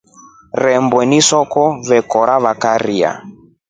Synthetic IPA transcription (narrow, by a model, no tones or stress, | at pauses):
ɾɛmbwɛnisɔkɔβɛkɔɾaβakaɾia̰